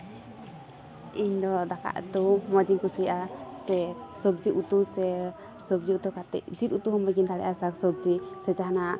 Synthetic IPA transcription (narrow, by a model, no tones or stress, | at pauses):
iɲd̪ɔd̪aka̰ʔt̪umɔd͡ʒiŋkusijʔasɛsɔbd͡ʒiʔut̪usɛ | sɔbd͡ʒiut̪ukat̪ɛ̰ʔd͡ʒit̪ut̪uhɔmbɛɡint̪aɽɛ̰ʔasaksɔb̚d͡ʒisɛd͡ʒaana